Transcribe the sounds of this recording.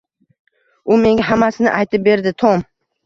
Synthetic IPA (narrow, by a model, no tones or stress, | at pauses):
ʊme̞ŋɡʲaɦamasɪnɪ̰ʔajt̪ʰɪp̚be̞ɾd̪ɪt̪ʰom